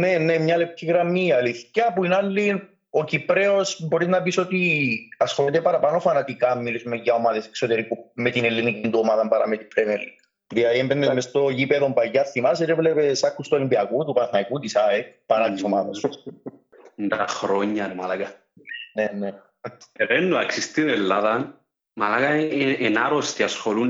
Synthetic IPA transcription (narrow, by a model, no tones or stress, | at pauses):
nenːemɲɐlepciɣɾɐmiɐliθcɐpuinɐlːin | ocipɾeosbo̞ɾiznɐpisot̪iɐsxolit̪epɐɾɐpɐno̞fɐnɐt̪ikɐmːilisumeʝɐo̞maðeseksot̪eɾikumet̪inelːinikind̪uomaðɐmbɐɾɐ̰met̪ipɾenelːi | ðilɐðiembenːezmest̪oʝipeðombɐjːɐθimɐs̬et̪evlepesɐkːust̪olimbiɐkut̪upɐθnɐikut̪isaekpɐɾɐt̪isomaðɐs | nd̪axɾoɲːɐnemalaɡɐ | nene | eɾenːuɐksist̪inelːaðɐn | malakɐenaɾost̪iɐsxolun